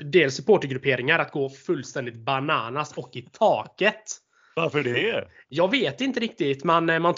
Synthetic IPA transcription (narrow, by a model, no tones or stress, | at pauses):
d̪eːlsːɵpʰoːʈəɾɡɾɵpʰeːɾɪŋaɾat̪̚ɡoːfɵlːst̪ɛnd̪ɪt̪̚banɑːnasɔkːɪt̪ʰɑːkət̪ | vaɾfəɖɛɛ | jɑːɡveːt̪ɪnt̪əɾɪk̚t̪ɪt̪mɛnmant̪